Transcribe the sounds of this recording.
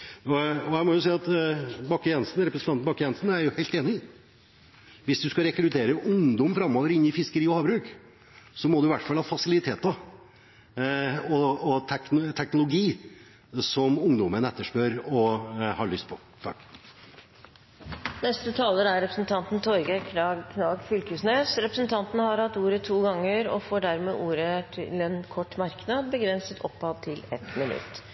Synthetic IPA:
ɔɔæɪmɔjʊsiːɑt̪bɑkːəjɛnsnɾɛpɾəsn̩ʰɑnn̩bɑkːəjɛnsnæɾjʊhæɪlt̪eːnɪ | ʋɪsd̪ʉskɑɾɛkɾʉt̪ʰeːɾəʔʊŋd̪ɔmfɾɑmoːʋəɾɪnːɪfɪskəɾiːɔhɑːbɾʉːk | sɔmɔd̪ʉɪʋæʈːfɑlːhɑfɑsɪlɪt̪ʰeːt̪ːɑ | ɔɔt̪ʰɛknt̪ʰɛknʊlʊɡiː | sɔmʊŋd̪ɔmənɛt̪ːəʂpøːɾɔhɑɭʏst̪̚pʰɔ | t̪ʰɑ̰ːk | nɛst̪ət̪ʰɑːləɾəæɾɾɛpɾəsnt̪ʰɑnt̪n̩t̪ʰɔɾɡəkʰɑkʰnɑːɡfʏlkəsnesɾɛpɾəsnt̪ʰɑnt̪nəhɑɾhɑt̪ːuːɾət̪ʰuːɡɑŋːəɾɔ̰foːɖæɾmeːʔuːɾət̪ʰɪ̰lɛnkʰɔʈːmɑɾknɑd̪̚bəɡɾɛnsət̪ʰɔ̰pːɑd̪t̪ʰɪlɛ̰t̪mɪnʉ̰t̪ː

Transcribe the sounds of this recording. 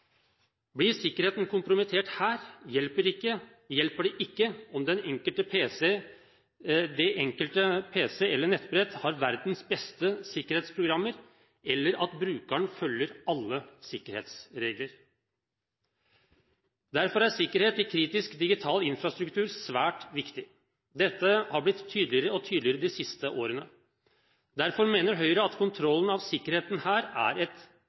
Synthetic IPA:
blɪsɪkːəɾheːt̪nkʰʊmpɾʊmɪt̪ʰeːʈhæːɾjɛlpəɾɪkːə | jɛlpəɖɛʔɪkːəɔmd̪ɛnɛŋkəlt̪əpʰeːs | d̪ɛʔɛŋkəlt̪əpʰeːsɛɛlːəɳɛt̪ːbɾɛt̪hɑɾʋæɾd̪n̩sbɛst̪əsɪkːəɾheːt̪spʰɾʊɡɾɑmːəɾ | ɛlːəɾɑt̪bɾʉːkəɳfœljəɾɑlːəsɪkːəɾhḛːt̪sɾeːɡləɾ | d̪æɾfɔɾæsɪkːəɾheːt̪ɪkʰɾiːt̪ɪskd̪ɪɡɪt̪ʰɑːlɪnfɾɑst̪ɾʉkt̪ʰʉːɾsʋæːʈʋɪkt̪ɪ | d̪ɛt̪ːəhɑɾblɪt̪ʰːyːd̪lɪəɾəɔt̪ʰyːd̪lɪəɾəd̪ɪsɪst̪əʔoːɾənə | d̪æɾfɔɾmeːnəɾɦœʏɾəɑt̪kʰʊnt̪ʰɾɔlːənɑʋsɪkːəɾheːt̪n̩hæːɾæ̰ɾɛt̪

